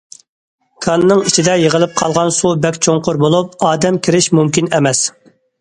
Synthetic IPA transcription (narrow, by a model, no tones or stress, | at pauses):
kʰɑnːɨŋit͡ʃʰid̪ɛjeʁəlˠɨp̚qʰɑlˠʁɑnsubɛkʲt͡ʃʰoŋqʊɾbolˠup̚ɑːd̪ɛmkʲʰiɾɪʃmumkʲinɛmɛs